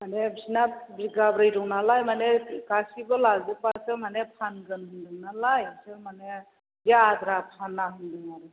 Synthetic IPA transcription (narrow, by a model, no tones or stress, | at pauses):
manebsinabɾiɡabɾɯjɾɔŋnalajmanepikasibɯlazipasɯmanepʰanɡɯnhɯndɯŋnalajsemane | ɡadɾapʰanːaɦɯndɯŋaɾɯ